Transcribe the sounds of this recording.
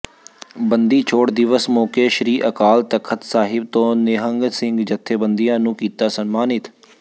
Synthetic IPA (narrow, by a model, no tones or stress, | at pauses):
bənd̪iːt͡ʃʰoːʈd̪ɪʋəsmɔːkeːʃɾiːʔəkaːlt̪əkʰət̪saːɦɪb̚t̪õːnɪɦəŋɡsɪ̃ŋɡd͡ʒət̪ʰːeːbənd̪ijãːnũːkiːt̪aːsənmaːnɪt̪